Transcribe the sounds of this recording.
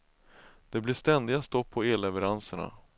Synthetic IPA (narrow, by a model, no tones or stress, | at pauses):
d̪̥ɛblɪʂt̪ɛnd̪ɪɡast̪ɔpʰːɔeːlɛvɛɾansəɳa̰